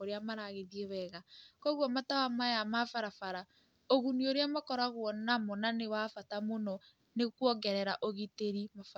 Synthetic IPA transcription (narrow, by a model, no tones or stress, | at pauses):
oɾeamaɾaɣeðiewɛɣakɔɣwɔmatawamajamafaɾafaɾa | oɣunioɾeamakɔɾaɣwɔnamonanewafatamonɔ | nekwɔɡɛɾɛɾaʔoɣiteɾimaf